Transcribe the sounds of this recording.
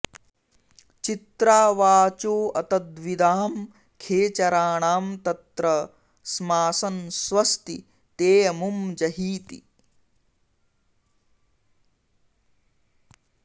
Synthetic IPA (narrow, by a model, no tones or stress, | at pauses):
t͡ʃit̪ɾaːʋaːt͡ʃoːɐt̪ɐd̪ʋid̪aːm | kʰeːt͡ʃɐɾaːɳaːmt̪ɐt̪ɾɐ | smaːsɐnsʋɐst̪i | t̪eːjɐmumd͡ʒɐɦiːt̪ḭ